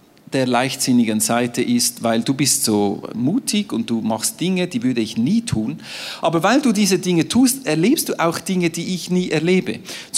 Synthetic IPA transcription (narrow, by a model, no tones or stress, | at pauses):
d̥eːɐlaɪçtz̥ɪnɪɡənzaɪtəʔɪstvaɪlduːbɪstz̥oːmuːtʰɪɡʊnt̚d̥uːmɑχst̚d̥ɪŋədiːvʏɐdəɪçniːtʰuːnʔɑːbəvaɪlduːdiːzədɪŋətʰuːstɛɐleːpstd̥uːʔaʊxd̥ɪŋədiːʔɪçniːʔɛɐleːbə̰t͡s